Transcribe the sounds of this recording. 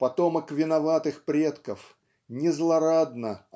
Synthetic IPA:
pɐt̪oməkvʲɪnɐvat̪ɨxpɾʲet̪kəf | nʲɪzlˠɐɾad̪nə

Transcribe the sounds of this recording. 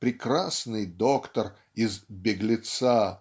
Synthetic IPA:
pɾʲɪkɾasnɨjd̪okt̪ər | ɪzbʲɪɡlʲɪt̪sa

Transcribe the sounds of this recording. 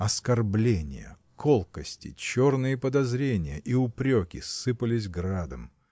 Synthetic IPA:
ɐskɐrblʲenʲɪ̰jə̰ | kʰolˠkəsʲtʲɪ̰t͡ɕornɨjəpəd̪ɐzɾʲenʲɪjəʔiʊpɾʲokʲɪsːɨpəlʲɪs̬ʲɡɾad̪əm

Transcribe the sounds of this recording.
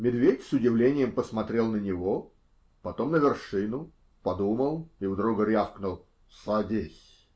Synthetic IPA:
mʲɪd̪vʲetʲsʊdʲɪvlʲenʲɪjəmpəsmɐt̪ɾʲe̞lˠnənʲɪvo | pɐt̪o̞mnəvʲɪrʂɨnʊ | pɐd̪uməlˠiʊd̪ɾuɡəɾʲafknʊlˠ | sɐdʲesʲ

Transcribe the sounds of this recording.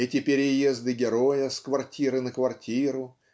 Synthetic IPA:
ɛtʲɪpʲɪɾʲɪjezd̪ɨɡʲɪɾo̞jəskvɐrtʲiɾɨnəkvɐrtʲiɾʊ

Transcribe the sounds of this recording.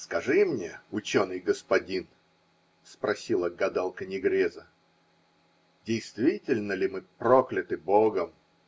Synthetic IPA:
skɐʐɨmnʲeʊt͡ɕo̞nɨjɡəspɐdʲin | spɾɐsʲilˠəɡɐd̪alˠkənʲɪɡɾʲezə | dʲɪjst̪vʲitʲɪlʲnəlʲɪmɨpɾoklʲɪt̪ɨboɡəm

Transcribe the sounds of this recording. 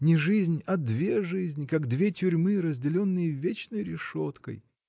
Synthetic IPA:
nʲɪʐɨzʲnʲɐd̪vʲeʐɨzʲnʲɪkaɡd̪vʲetʲʊɾʲmɨɾəzʲdʲɪlʲo̞nːɨjəvʲet͡ɕnəjɾʲɪʂot̪kə̰j

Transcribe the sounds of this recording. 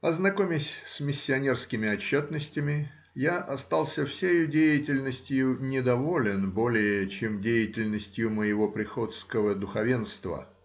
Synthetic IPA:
ɐznɐkomʲɪsʲsmʲɪsʲːɪɐnʲerskʲɪmʲɪɐt͡ɕːo̞t̪nəsʲtʲɪmʲɪ | jaʔɐst̪alˠsʲəfsʲejʊdʲejɪtʲɪlʲnəsʲtʲjʊnʲɪd̪ɐvo̞lʲɪnbo̞lʲɪjəət͡ɕemdʲejɪtʲɪlʲnəsʲtʲjʊməjɪvo̞pɾʲɪxo̞t̪skəvəd̪ʊxɐvʲe̞nst̪və̰

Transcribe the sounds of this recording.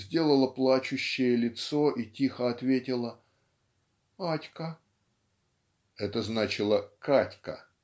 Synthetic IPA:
zʲdʲe̞lˠəlˠəplˠat͡ɕʊɕːɪjəlʲɪt̪so̞ʔitʲixəɐt̪vʲetʲɪlˠə | atʲkə | ɛt̪əznat͡ɕɪlˠəkatʲkə̰

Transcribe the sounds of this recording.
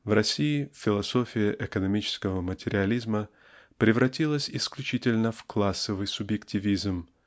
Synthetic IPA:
vrɐsʲiɪfʲɪlˠɐsofʲɪjəʔɪkənɐmʲit͡ɕɪ̥skəvəmətʲɪɾʲɪɐlʲizmə | pɾʲɪvɾɐtʲilˠəsʲɪsklʲʉt͡ɕitʲɪlʲnəfklˠasːəvɨjsʊbjɪktʲɪvʲizm

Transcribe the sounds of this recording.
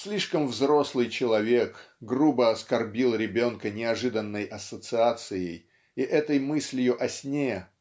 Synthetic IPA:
sʲlʲiʂkəmvzɾo̞slˠɨjt͡ɕɪlˠɐvʲe̞kɡrubəɐskɐrbʲilˠɾʲɪbʲo̞nkənʲɪɐʐɨd̪ənːəjʔɐsət̪sɨat̪sɨjɪj | iʔɛt̪əjmɨsʲlʲɪjʊʔɐsʲnʲejə

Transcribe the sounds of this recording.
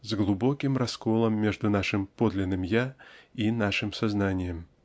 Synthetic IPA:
zɡlˠʊbokʲɪmrɐskolˠəmːʲeʐd̪ʊnaʂɨmpod̪lʲɪnːɨmjainaʂɨmsaznanʲɪjəm

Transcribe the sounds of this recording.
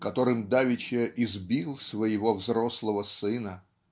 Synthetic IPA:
kɐt̪o̞ɾɨmd̪avʲɪt͡ɕeʔɪzbʲilˠsvəjɪvovzɾoslˠəvəsɨnə

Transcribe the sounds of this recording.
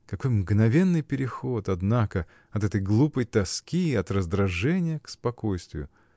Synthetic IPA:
kɐko̞jmɡnɐvʲenːɨjpʲɪɾʲɪxo̞t̪ɐd̪nakə | ɐt̪ɛt̪əjɡlˠupəjt̪ɐskʲiɐt̪rəzd̪ɾɐʐɛnʲɪjəkspɐko̞jst̪vʲɪ̰jʊ

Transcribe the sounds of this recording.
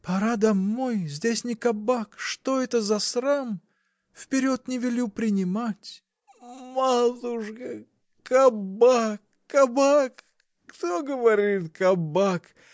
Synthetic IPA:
pɐɾad̪ɐmnojzʲdʲesʲnʲɪkɐbakʂt̪oɛt̪əzɐsɾam | fpʲɪɾʲo̞t̪nʲɪvʲɪlʲupɾʲɪnʲɪmatʲ | mad̪uʂkə | kɐbakː | ɐbakː | t̪oɡəvɐɾʲit̪kɐbak

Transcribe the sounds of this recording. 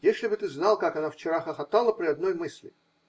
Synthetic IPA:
jesʲlʲɪbɨt̪ɨznɑlˠkakɐnaft͡ɕɪɾaxəxɐt̪alˠəpɾʲɪɐd̪no̞jmɨsʲlʲɪ̰

